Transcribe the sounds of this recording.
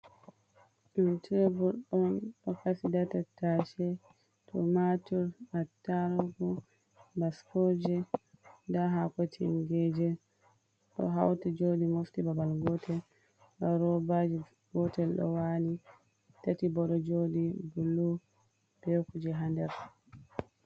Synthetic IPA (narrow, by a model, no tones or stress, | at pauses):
ʔuntɛbuɾɗɔnɗɔkasidatataʃɛ | tʰɔmatuɾatːaɾɡu | baskɔːd͡ʒɛ | daɦakɔtʰiŋɡɛd͡ʒɛ | ɗɔ̰ɦa̰wtid͡ʒodimoftibabalɡɔtʰɛl | ɗɔɾɔbad͡ʒi | ɡɔtɛlɗɔ̰wali | tatibɔɗɔd͡ʒodibulːu | b̥ɛkud͡ʒɛɦandɛɾ